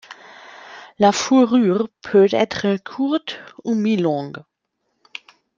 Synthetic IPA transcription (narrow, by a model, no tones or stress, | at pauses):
lafuʁyːʁpʰøːtɛtʁəkʰuʁtuːmilɔ̃ŋɡ